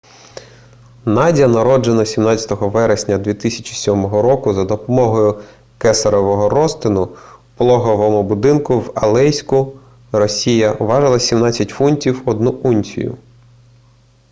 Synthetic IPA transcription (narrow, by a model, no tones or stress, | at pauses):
nɑdʲɐnɐɾɔd͡ʒenɐsʲimnɑt͡sʲɐ̥t̪ɔɦɔʋɛɾesʲnʲɐd̪ʋʲit̪ɪsʲɐ̥t͡ʃi̥sʲɔmɔɦɔɾɔkʊzɐd̪ɔpɔmɔɦɔjʊ | kɛsɐɾɔʋɔɦɔɾɔst̪ɪnʊplˠɔɦɔʋɔmʊbʊd̪ɪnkʊwɐlˠɛjsʲkʊ | rɔsʲijɐɔʋɑʒɐlˠɐsʲimnɑt͡sʲːɐtʲfunʲtʲiwɔd̪nuʔunʲsʲḭjʊ̰